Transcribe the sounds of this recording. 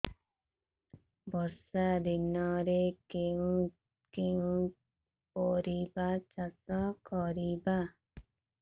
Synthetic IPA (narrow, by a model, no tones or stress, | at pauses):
bɔsad̪inɔɾekeũ | keũ | pɔɾibat͡ʃasɔkɔɾiba